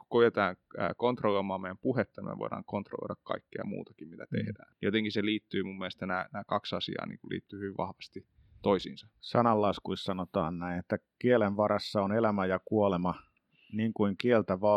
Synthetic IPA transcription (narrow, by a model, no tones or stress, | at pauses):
ku̥kojet̪ɑːŋ̰ːkont̪roloimɑːmejæmpuhet̪ːɑnimḛʋo̰ˑidɑ̰ːŋkont̪ro̰lo̰idɑkkɑ̰ikːeɑ̰mṵːt̪ɑ̥kimmit̪æt̪ḛhdæ̰ːnjot̪eŋkiseliːt̪ːyːmumːielest̪ːænæːnæːkɑksɑsḭɑ̰ːnḭːŋkulʔḭːt̪ːyːhyʋiʋʋʔɑhʋɑst̪i | t̪oisḭːnsɑsɑnɑlːɑskuissɑnot̪ɑ̰ːnnæinet̪ːækielenʋɑɾɑsːɑonelæmæjɑkuolemɑ | niːŋkuiŋkielt̪æʋɑː